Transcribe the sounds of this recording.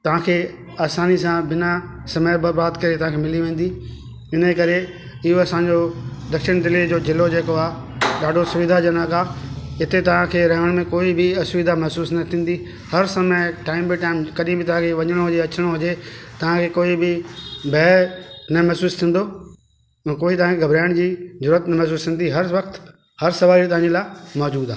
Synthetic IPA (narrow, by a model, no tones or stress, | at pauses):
t̪ɐʋ̤ãkʰeː | aːsaːnisãbɪna | sɐməjbɐɾbaːd̪kɐɾet̪ɐʋ̤ãkʰemɪliʋẽːn̆d̪iː | ɪnekɐɾe | ɪɦoɐsãɲd͡ʑod̪ɐkʃɪɽ̃d̪ɪlid͡ʑoːd͡ʑɪlod͡ʑeːkoaː | ɗaːɖʱosʊʋɪd̪ʱad͡ʑɐnaɡaːɪt̪et̪ɐʋ̤ãkʰeːɾɐɦəɽ̃mẽkoːibʱɪɐsʊʋɪd̪ʱamɛɦsuːsnɐt̪ʰĩːn̆d̪i | hɐɾsɐməʈaːɪmbɪʈaːɪmkɐɗiĩbɪt̪ɐʋ̤ãkʰeʋɐɲəɽ̃oɦʊd͡ʑeɐt͡ɕəɽ̃oɦʊd͡ʑet̪ɐʋ̤ãkʰeːkoːibɪbʱɛːnɐmɛɦsuːst̪ʰĩːn̆d̪õ | koːit̪ɐʋ̤ãkʰeɡʱɐbɾaːɪɽ̃d͡ʑiːzʊɾuːət̪nɐmɛɦs̬uːst̪ʰĩn̆d̪iɦɐɾʋɐkt̪ | hɐɾsɐʋaːlit̪̬ɐʋ̤ãɲd͡ʑelaːɪmɔːd͡ʑuːd̪aː